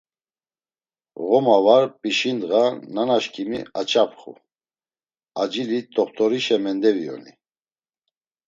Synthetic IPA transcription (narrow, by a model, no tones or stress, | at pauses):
ɣɔmavaɾpʼiʃind̪ɣananaʃkʰʼimḭat͡ʃʰʼapʰχṵ | ad͡ʒilit̪ʼɔχt̪ʼɔɾiʃɛmɛnd̪ɛviɔ̰ni